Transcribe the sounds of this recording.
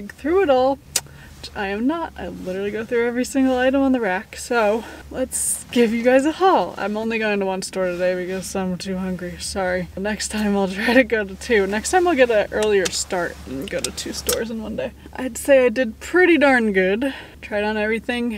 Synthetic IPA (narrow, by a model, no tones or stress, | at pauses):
ɡθɹʉɨɾɔlˠ | ʔaɪɨ̃mnəta̰ɪlɪɾə˞l̩ˠiɡoʊθɹʉɛvɹisɪ̃ŋɡl̩ˠaɪɾə̃mə̃nðəɹæksoʊlətsɡ̥ɪvjɨɡaɪzəhɔlˠã̰ɪ̃mõʊ̃nliɡoʊɪ̃ŋtəwʌ̃nstɔɹɾɨdeɪbɨkʌzãɪ̃mtʰʉhʌ̃ŋɡɹisɑɹinɛkstʰãɪ̃maɪlˠtʰɹ̥aɪɾɨɡoʊɾɨtʰʉnɛkstʰãɪ̃maɪlˠɡɛɾɨʔɜ˞lˠiə˞stɑɹɾɨ̃n̩ɡoʊɾɨtʰʉstɔ̰ɹzn̩wʌ̃ndeɪ | ʔa̰ɪdseɪaɪdɨd̚pʰɹ̥ɪɾidəɹ̃nɡʊdtʰɹ̥aɪɾn̩ɛvɹiθɪ̃ŋ